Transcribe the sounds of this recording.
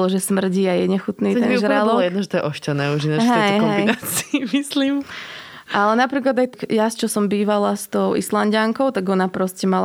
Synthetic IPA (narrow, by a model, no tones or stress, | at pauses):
lɔʒɛsmr̩ɟiajɛɲɛxut̪niːɛnʒɾalɔljɛd̪nɔʒɛt̪ɔjɛʔɔʃcanɛːuʒinɛɦɛɦɔmɛjnaːt͡siimisliːm | ʔalɛnapɾiːklˠad̪ajjast͡ʃɔsɔmbiːʋalast̪ɔʊḭslanɟaŋkɔʊt̪aɡɔnapɾɔscɛmala